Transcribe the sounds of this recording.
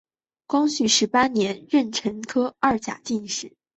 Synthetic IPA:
kwɑ˥ŋɕy˧˥˩ʂɻ̩˧˥pa˥njɛ˧˥nɻə˥˩nʈ͡ʂʰə˧˥ŋkʰɤ˥ɐ˥˩t͡ɕja̰˨˩t͡ɕi˥˧nʂɻ̩˨˩˦

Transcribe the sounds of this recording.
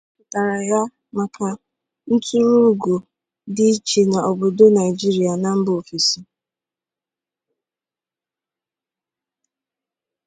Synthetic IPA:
pʊ˨ta˨ɾa˨ja˦ | ma˨kʰa˨ | n̩˦tu˦ɾu˦ɡo˨ | dɪ˦t͡ʃe˨na˨ɔ˨bo˨do˦na˨ɪ˨d͡ʒi˦ɾi˨a˨na˨m̩˦bo˨fi˨si˦

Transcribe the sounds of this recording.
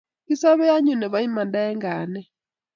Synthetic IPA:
ki˦sa˦βɛ˦a˦ɲu˨ne˨βa˦i˦ma˨nda˦ɛ˦ŋɡa˨nɛ˦

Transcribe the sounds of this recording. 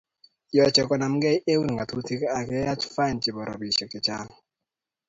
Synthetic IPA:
jɔ˨t͡ʃɛ˨kɔ˨na˨m˦ɡɛ˦je˦wu˦n˨ŋɡa˨t̪u˦t̪i˦ka˦a˨kɛ˨˦ja˦t͡ʃfa˦ɪ˨nt͡ʃi˨bɔ˨ɾʔɔ̰˨bi˨ʃɛ˨k̚t͡ʃɪ˨t͡ʃa˦ŋ˨

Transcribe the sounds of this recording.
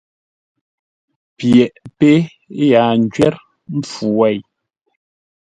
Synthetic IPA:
pjɛ˨ʔpe˦ | ja˨n̩˨d͡ʒɥɛ˦ɾ | m̩˦p͡fu˨wɛ˦˨j

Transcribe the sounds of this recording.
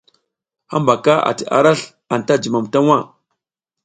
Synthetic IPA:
ha˦mba˨ka˦a̰˨ti˨ʔa̰˨ɾa˦ɬ | a˨n˨ta˦d͡ʒi˨ma˨mta˦ŋʷwa˦

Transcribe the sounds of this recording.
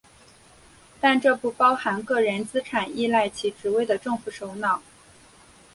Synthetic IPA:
t̪a˥˧nʈ͡ʂɤ˥˧pu˥˩pɑ˥ʊxa˧˥nkɤ˥˩ɻə˧˥nt͡sɹ̩˥ʈ͡ʂʰa˨˩ni˥˧la˥˩ɪt͡ɕʰi˧˥ʈ͡ʂɻ̩˨˥we˥˩ɪd̪ə˩ʈ͡ʂɤ˥˧ŋfu˧˩ʂo˧˥ʊnɑ˨˩˦ʊ

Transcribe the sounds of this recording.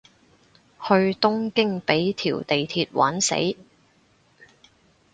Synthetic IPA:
hɵ˧ɥt̪ʊ˥ŋkɪ˥ŋpe˨˥jt̪ʰiː˨˩wt̪e˨jt̪ʰiː˧t̚wʔa̰ː˨˥nsḛ˨˥j

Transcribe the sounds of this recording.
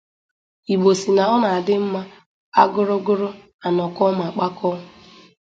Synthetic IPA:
i˨ɡ͡bo˨si˨na˨ɔ˦na˨a˨dɪ˦m̩˦ma˦ | a˦ɡʊ˦ɾʊ˦ɡʊ˦ɾʊ˦ | a˨nɔ˨kɔ˦ma˨k͡pa˦kɔ˦ɦʊ˨

